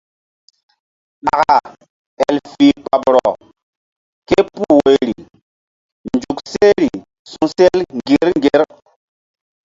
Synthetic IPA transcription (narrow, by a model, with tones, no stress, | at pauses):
ɗa˨ka˨ | ɛ˨lfi˨k͡pa˨bɾɔ˨ | ke˦pu˦we˨ɾi˨ | nd͡ʒu˨kse˦ɾi˨ | sũ˨se˦lŋɡi˨˦ɾŋ˦ɡe˨˦ɾ